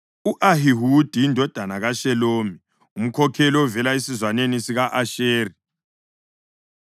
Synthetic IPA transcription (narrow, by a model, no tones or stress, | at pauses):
uʔaɦiɦud̥ʱijindʱɔd̥ʱanaɣaʃɛloːmi | um̩kʰɔkʰɛlɔɔvɛlaesizwanenisiɣaʔaʃeːri